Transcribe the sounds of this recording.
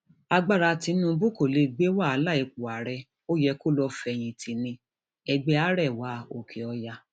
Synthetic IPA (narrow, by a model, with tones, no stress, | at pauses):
a˧ɡ͡ba˦˨ɾa˧ti˧˦nũ˦bu˦ko˦˨le˧ɡ͡be˦wa˦˨a˧˦la˦˨i˧k͡pu˨a˨ɾɛ˧ | o˦jɛ˧ko˦lɔ˧fɛ˧j̃ĩ˧tʰi˨˧nĩ˧ | ɛ˧ɡ͡be˦a˦ɾɛ˦˨wa˨˦o˨kʰe˨ɔ˧ja˧